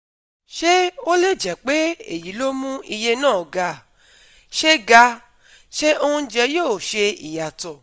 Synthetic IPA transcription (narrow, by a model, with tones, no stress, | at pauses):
ʃe˦o˦le˦˨d͡ʒɛ˨k͡pe˨˦ḛ˦˨ji˨˦lo˦mũ˦i˧je˧nãː˦˨ɡa˧˨ | ʃe˦ɡa˧ | ʃe˦o˧hũ˧˦d͡ʒɛ˧˦joː˦˨ʃe˧i˨ja˨tɔ˨